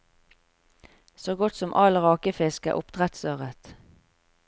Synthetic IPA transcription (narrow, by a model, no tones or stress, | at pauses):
soːɡɔt̪sɔmʔɑlʁɑːkəfɪskə̰ʔʊpd̪̥ʁɛt̪søːʁət̪